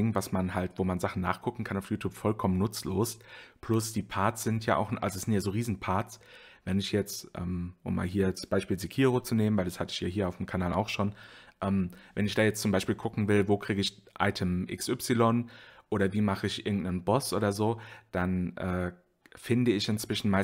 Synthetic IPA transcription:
ɪŋvasmanhaltv̥oːmanzaχn̩nːa̰ːχkʰʊkŋ̩kʰanaʊjuːtʰjuːpfɔlkʰɔmənːʊt͡sloːspl̥ʊsd̥iːpʰaɐtsz̥ɪntʰja̰ːʔa̰ʊxʔa̰lzosz̥ɪntjaːzoːʁiːzn̩pʰaɐts | vɛnɪçjɛt͡stʔɛ̰ːmʔʊ̰mːa̰ːlɦiːɐdasb̥aɪʃpiːlzikʰiːʁot͡suneːmənvaɪldashatəɪçja̰ːɦiːɐaʊfəmkʰanaːla̰ʊxʃoːnʔɛːmvɛnɪçd̥aːjɛt͡st͡sʊmbaɪʃpiːlkʰʊkŋ̩vɪlvoːkʁ̥iːɡəɪç | ʔa̰ɪtʰəmʔɪ̰ksʔʏpsilɔnʔoːɾɐviːmaχəɪçʔɪɐɡŋ̩tnənbɔsʔo̰ːdɐzoːd̥anʔɛ̰ː | fɪndəɪçɪnt͡sv̥ɪʃn̩maɪ

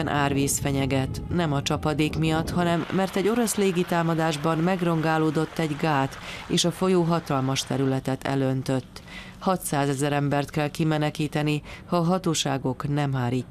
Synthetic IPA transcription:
nʔaːrʋiːsfɛɲɛɡɛt̪nɛmɒt͡ʃɒpɒd̪eːkmijɒt̪ːhɒnɛmːɛrt̪ɛɟo̞ɾo̞sleːɡit̪aːmɒd̪aːʒbɒnmɛɡro̞ŋɡaːloːd̪o̞t̪ːɛɟɡaːt̪eːʃɒfo̞joːɦɒt̪ɒlmɒʃt̪ɛɾylɛt̪ɛt̪ɛ̰lønt̪ø̞t̪ː | hɒt̪saːzɛzɛɾɛmbɛrt̪kɛlkimɛnɛkiːt̪ɛnihɒːɦɒt̪oːʃaːɡo̞knɛmɦaːɾiː

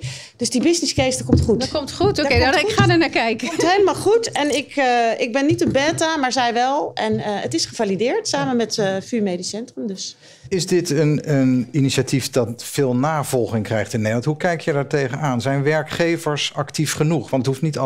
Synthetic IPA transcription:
d̥øzdibɪznɪskejsdəkɔmtχutkomtχutokedχaːdəɹnaːkɛjkəmtɦejləmaːlˠχutɛnɪkɪɡ̚bɪnːitənbɛːtamaːɹzɛjʋɛlˠɛnətɪsχəvalidɪːɹtsaːmənmɛtfyːɹmejdisɛntrəmdøs | ɪzdɪtənəniniʃatifdɑtfɪːlˠnaːvɔlˠχɪŋkrɛjχtɪnnejlɑntɦukɛjkjəjdaːɹtejχənaːnzɛjnʋɛɹkχejvəɹsɑktifχənuχʋɑntəthuftnit

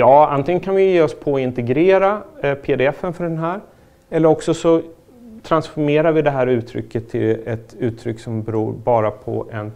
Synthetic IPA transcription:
jɑːa̰nt̪ʰɪŋənkʰanvɪjeːɔspʰɔɪnt̪ɛɡɾeːɾapʰeːd̪ɛɛfːənfœɖɛnɦæːɾ | ɛlːəɾɔksɔsɔ | t̪ʰɾansfɔɾmeːɾaɾvɪd̪ɛɦæːɾʉ̟ːt̪ʰɾʏ̰kʰːət̪ʰːɪlɛt̪ʉ̟ːt̪ʰːɾʏkːsɔmbɛɾṵːɾbɑːɾapʰɔ̰ʔɛn

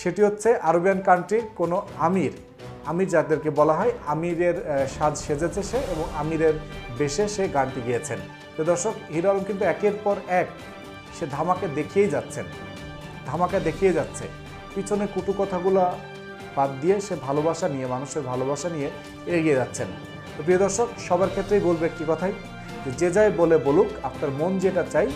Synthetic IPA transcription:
ʃeʈiɦot̪ːɕʰeʔaɾobijankaɳʈiɾkonoamiɾ | amiɾd͡ʑad̪eɾkebɔlaɦɔeamiɾeɾʃad͡ʑʱʃed͡ʑet͡ɕʰeʃeeboŋamiɾeɾbeʃeʃeɡaɳʈiɡijet͡ɕʰen | t̪ed̪ɔɾʃokɦiɾalomkint̪uɛkeɾpɔɾɛk | ʃed̪ʱamaked̪ekʰijejd͡ʑat̪ːɕʰen | d̪ʱamaked̪ekʰijed͡ʑat̪ːɕʰḛ | pit͡ɕʰonekuʈukɔt̪ʰaɡula | pat̪̚d̪ijeʃebʱalobaʃanijemanuʃeɾbʱaloβaʃanije | eeɡied͡ʑatːɕʰen | p̪opɾiod̪ɔɾʃokʃɔbaeɾkʰet̪ːɾejbolbeek̚ʈikɔt̪ʰaj | d͡ʑed͡ʑed͡ʑajbolebolukapnaɾmond͡ʑeʈaɾt͡ɕaj

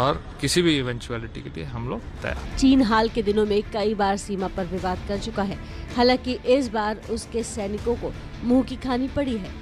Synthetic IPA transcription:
ɔːɾ | kɪsibʱiɪʋɛ̃ɲt͡ʃuɛːlɪʈḭkelḭeɦɐmloːɡt̪ɐ̰ja̰ːt͡ʃiːnɦaːlked̪ɪnõmẽkɐibaːɾsiːmapɐɾʋɪʋaːd̪kɐɾt͡ʃʊkaɦɛː | haːlãːkiʔɪs̬baːɾʊskesɛːnɪkõko | mũːkikʰaːnipɐɽiɦɛː

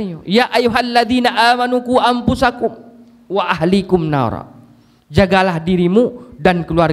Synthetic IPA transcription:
jaʔajuɦalːaðiːnaʔaːmanukuʔampusakʊm | waʔaɦlikʊmna̰ɾ̰ˤ | d͡ʒaɡalahdiɾimudankəlua

